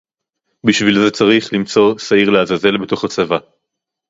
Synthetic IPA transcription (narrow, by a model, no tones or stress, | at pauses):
biʃvilze̞t͡saʁiχlimt͡so̞saiʁlehazaze̞lbe̞to̞χat͡sava